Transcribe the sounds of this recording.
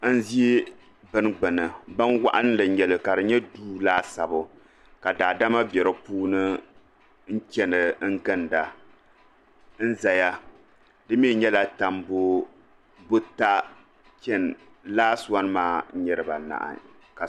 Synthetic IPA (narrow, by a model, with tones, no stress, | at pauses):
n̩˦zi˦i˦ | bɨ˦nɡ͡bɨ˨nɨ˨ba˦nwa̰˦ʔa˦n˦lɨ˨ɲɛ˨lɨ˨ka˨dɨ˨ɲɛ˦duː˦laː˦sa˨bʊ˨ | ka˨daː˨da˦ma˦bɛ˨ɾɨ˦puː˦nɨ˦ | n̩˦t͡ʃɛ˦nɨ˨˦ŋ̩˦ɡɨ˦nda˨ | n̩˦za˨ja˦ | dɨ˦mi˦˨ɲɛ˦la˨ta˨mbʊ˦ | bʊ˦ta˦ | t͡ʃɛ˦n˨ | laː˦sa˦n˦maː˦ɲɛ˦ɾɨ˨ba˨na̰˨ʔa̰˨ | ka˨